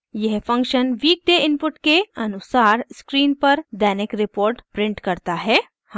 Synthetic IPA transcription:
jɛɦfɐ̃ŋkʃənʋiːk̚d̪eɪ̃npʊʈkeɐnʊsaːɾskɾiːnpɐɾd̪ɛːnɪkɾɪpoːɾʈpɾɪ̃ɳʈkɐɾt̪aɦɛː | hã

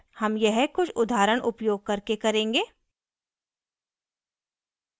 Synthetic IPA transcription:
hɐmjɛɦkʊt͡ʃʰʊd̪ʱaːɾəɽ̃ʔʊpjoːɡ̚kɐɾkekɐɾẽːŋɡeː

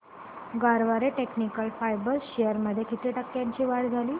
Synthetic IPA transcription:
ɡaɾʋaɾeʈeknikəlfajbəlɕejəɾməd̪ʱːjekit̪eːʈəkːjaɲt͡ɕiːʋaɽd͡zʱaliː

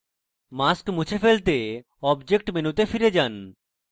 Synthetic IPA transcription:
maskmut͡ɕʰefelt̪e | ɔbd͡ʑek̚ʈmenut̪efiɾed͡ʑan

